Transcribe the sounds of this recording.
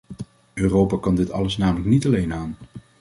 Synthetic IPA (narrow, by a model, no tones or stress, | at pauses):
øːrowpaːkɑndɪtɑ̰ləsnaːmələknitɑlejnaːn